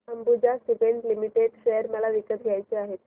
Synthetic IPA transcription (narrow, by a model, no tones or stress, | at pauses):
əmbud͡ʑasiʋeɳʈlimiʈeɖʃejəɾməɭaʋikət̪ɡʱjajt͡ɕiaɦet̪